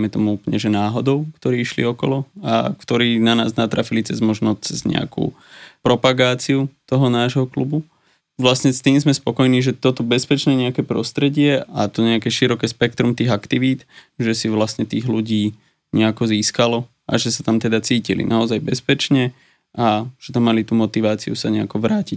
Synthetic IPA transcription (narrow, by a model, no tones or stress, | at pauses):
mɛt̪ɔmuupɲɛʒɛnaːɦɔd̪ɔʊkt̪ɔɾiːʃlḭɔkɔlɔa̰kt̪ɔɾiːnana̰ːznat̪ɾafilit͡sɛzmɔʒnɔt͡sɛzɲɛ̰a̰kṵ | pɾɔpaɡaːt͡siut̪ɔɦɔnaːʒɦɔklubu | ʋlastɲɛst̪iːmzmɛspɔkɔjniːʒɛt̪ɔt̪ɔbɛspɛt͡ʃnɛɲɛakɛːpɾɔ̰st̪ɾɛɟɪɛʔat̪ɔɲɛakɛʃiɾɔkɛːspɛkt̪ɾumt̪iːɣakt̪iʋiːt̪ | ʒɛsiʋlast̪ɲɛt̪iːɣluɟiː | ɲɛakɔziːskalɔ | ʔa̰ʒɛsat̪amt̪ɛd̪at͡siːcilḭnʔaɔzajbɛspɛt͡ʃɲɛ | ʔaʒ̥ɛt̪amːalit̪uːmɔt̪iʋaːt͡siusaɲɛakɔʋɾaːcic